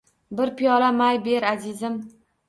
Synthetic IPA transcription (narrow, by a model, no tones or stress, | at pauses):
bɪɾpʰijɒlamajbe̞ɾazɪzɪm